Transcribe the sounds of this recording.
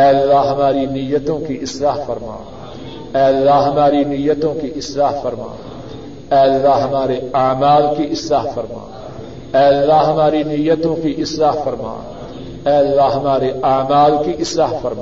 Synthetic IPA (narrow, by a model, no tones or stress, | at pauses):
ɛːlːaːɦɐmaːɾiːnijət̪õːkiʔɪslaːɦfəɾma̰ː | ɛːəlːaːɦɐmaːɾiːnijət̪õːkiʔɪslaːɦfəɾma̰ː | ɛːəlːaːɦɐmaːɾeaːmaːlkiʔɪslaːɦfəɾma̰ː | ɛːəlːaːɦɐmaːɾinijət̪õːkiʔɪslaːɦfəɾma̰ː | ɛːlːaːɦɐmaːɾeaːmaːlkiʔɪslaːɦfəɾmaː